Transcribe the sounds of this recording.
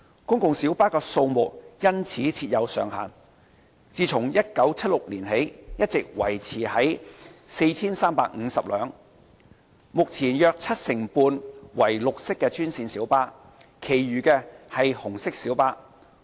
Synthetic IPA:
kʊ˥ŋkʊ˨ŋsiː˨˥wpaː˥kɛː˧so˧wmʊ˨k̚jɐ˥nt͡sʰiː˨˥t͡sʰiː˧t̚jɐ˨˧wsœː˨ŋɦa̰ː˨˩n | t͡siː˨t͡sʰʊ˨˩ŋjɐ˥t̚kɐ˨˥wt͡sʰɐ˥t̚lʊ˨k̚liː˨˩nɦe˨˥jjɐ˥t̚t͡sɪ˨k̚wɐ˨˩jt͡sʰiː˨˩hɐ˨˥jse˧jt͡sʰiː˥nsaː˥mpaː˨k̚ŋ̩˨˧sɐ˨p̚lœː˨˧ŋ | mʊ˨k̚t͡sʰiː˨˩njœː˧k̚t͡sʰɐ˥t̚sɪ˨˩ŋpuː˧nwɐ˨˩jlʊ˨k̚sɪ˥kːɛː˧t͡ʃyː˥nsiː˧nsiː˨˥wpaː˥ | kʰe˨˩jɥyː˨˩kɛː˧hɐ˨jhʊ˨˩ŋsɪ˥k̚siː˨˥wpaː˥

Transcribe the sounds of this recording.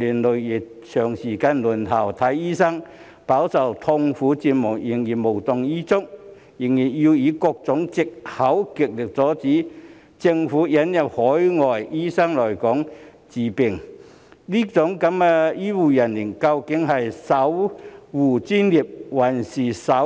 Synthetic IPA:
liː˨˩nlɵ˨ɥjɪ˨˩ | t͡ʃʰœː˨˩ŋsiː˨˩kaː˧nlu˨˩nɦ̪ʰɐ˨˩wt̪ʰɐ˨˥jːiː˥sɐ˥ŋ | paː˨˥wsɐ˨wt̪ʰʊ˧ŋfuː˨˥t͡siː˧p̚mʊ˨˩k̚jɪ˨˩ŋjiː˨˩nmo˨˩wt̪ʊ˨ŋiː˥t͡sʊ˥k̚ | jɪ˨˩ŋjiː˨˩nji˧wjiː˨˧kɔː˧k̚t͡sʊ˨˥ŋt͡sɪ˨k̚hɐ˨˥wkɪ˨k̚lɪ˨k̚t͡sɔː˨˥t͡siː˨˥ | t͡sɪ˧ŋfuː˨˥jɐ˨˥njɐ˨p̚hɔː˨˥jŋɔː˨jjiː˥sɐ˥ŋlɔː˨˩jkɔː˨˥ŋ | t͡siː˨pɪ˨˩ŋ | liː˥t͡sʊ˨˥ŋkɐ˨˥ma˧jiː˥wuː˨˩jɐ˨˩nli˨˩nkɐ˧wkɪ˨˥ŋɦɐ˨jsɐ˨˥wwuː˨˩t͡siː˥nliː˨p̚wɐ˨˩nsiː˨˩sɐ˨˥

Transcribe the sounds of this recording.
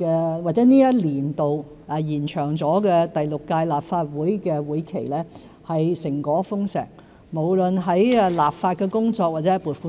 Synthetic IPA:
ɛː˧waː˨t̚t͡sɛː˨˥niː˥jɐ˥t̚liː˨˩nt̪o˨w | ɛ˨˩jiː˨˩nt͡ʃʰœː˨˩ŋt͡sɔː˨˥kɛː˧t̪ɐ˨jlʊ˨kːaː˧jlaː˨˩pfaː˧t̚wuː˨˥jkɛː˧wuː˨˥jkʰe˨˩jlɛː˥ | hɐ˨jsɪ˨˩ŋkɔː˨˥fʊ˥ŋsɛ̰ː˨˩k̚ | mo˨˩wlɵ˨nɦɐ˨˥jɛ˧laː˨p̚faː˧t̚kɛː˧kʊ˥ŋt͡sɔː˧k̚waː˨t̚t͡sɛː˨˧˥jpuː˨˩fu˧˥

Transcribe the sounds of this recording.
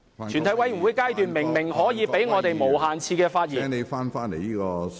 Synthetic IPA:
y˨nt̪ʰɐ˨˩jwɐ˨˧jy˨˩nwu˨˧˦jkaː˥jt̪yː˨˩nmɪ˨˩ŋmɪ˨˩ŋhɔː˨˥jiː˨˧pe˨˥jŋɔː˨˧t̪e˨jmo˨˩wɦaː˨nt͡sʰiː˧kɛː˧faː˧t̚jiː˨˥ŋne˨˧jfaː˥nfaː˥ne˨˩jiː˥kɔː˧

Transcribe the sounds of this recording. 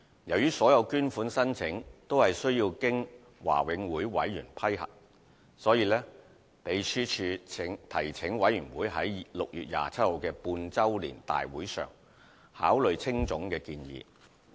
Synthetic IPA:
jɐ˨˩wjyː˥sɔː˨˥jɐ˨˧wkyː˥nfuː˨˥nsɐ˥nt͡sʰɪ˨˥ŋt̪o˥whɐ˨jsɵ˥ɥjiː˧wkɪ˥ŋ | wa̰ː˨˩wɪ˨˧˥ŋwuː˨˥jwɐ̰˨˥jːyː˨˩npʰɐ˥jhɐ̰˨k̚ | sɔː˨˥jiː˨˧lɛː˥ | pe˨˧jsyː˥t͡ʃʰyː˧˨˥ŋt̪ʰɐ˨˩jt͡sʰɪ˨˥ŋwɐ˨˥jɥyː˨˩nwuː˨˥jɦɐ˨˥jlʊ˨k̚jyː˨t̚ja̰ː˨t͡sʰɐ˥t̚ho˨˧wkɛː˧puː˧nt͡sɐ˥wlḭː˨˩nt̪a̰ː˨jwuː˨˥jsœ̰ː˨ŋ | haː˨˥wlɵ˨˧ɥt͡sʰɪ˥ŋt͡sʊ˨˥ŋkɛː˧kiː˧njḭː˨

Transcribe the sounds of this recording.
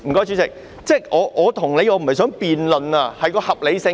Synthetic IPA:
m̩˨˩kɔː˧˥jt͡ʃy˨˥t͡sɪ˨k̚ | t͡sɛː˥˩ʔɔː˨˧ʔɔː˨˧t̪ʰʊ˨˩ŋne˨˧jɔː˨˧m̩˨˩ɐ˨js̬œː˨˥ŋpiː˨nlɵ˨nɐ˧hɐ˨jkɔː˧hɐ˨p̚le˨˧jsɪ˧

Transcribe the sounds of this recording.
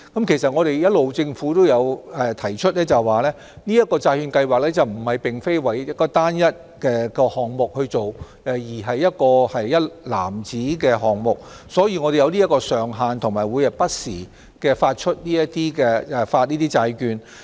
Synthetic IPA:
kɐ˨˥mkʰe˨˩jsɐ˨t̚ŋɔː˨˧ɾe˨jjɐ˥t̚lo˨wt͡sɪ˧ŋfuː˨˥t̪o˥wjɐ˨˧wɛ˨˧t̪ʰɐ˨˩jt͡ʃʰɵ˥t̚lɛː˥t͡sɐ˨˩wwaː˨˩lɛː˥ | niː˥jɐ˥t̚kːɔː˧t͡saː˧jkyː˧nkɐ˧jwaː˨k̚lɛː˥t͡sɐ˨˩wm̩˨˩hɐ˨˩jpɪ˨˩ŋfe˥jwɐ˨˩jɐ˥kɔː˧t̪aː˥njɐ˥t̚ | kɛː˧kɔː˧hɔː˨ŋmʊ˨k̚hɵ˧ɥt͡so˨w | ɛ˨˧jiː˨˩ɦɐ˨jːɐ˥t̚kɔː˧hɐ˨jːɐ˥tla̰ː˨˩mt͡siː˨˥kɛː˧ɦɔː˨ŋmʊ˨k̚ | sɔː˨˥jiː˨ŋɔː˨˧ɾe˨jɐ˨˧wniː˥jɐ˥kːɔː˧sœː˨ŋɦaː˨˧nt̪ʰʊ˨˩ŋmaː˨˩jwuː˨˧jɐ˨˩pɐ˥t̚siː˨˩ | kɛː˧faː˧t̚t͡ʃʰɵ˥t̚niː˥jɐ˥t̚t̪iː˥kɛː˧ɛ˧faː˧t̚niː˥t̪iː˥t͡saː˧jkyː˧n

